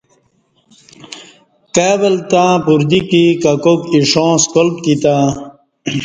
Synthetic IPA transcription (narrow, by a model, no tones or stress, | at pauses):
keːbɐlt̪ãːpuɾd̪ikikakokiʂõːskolp̚kit̪a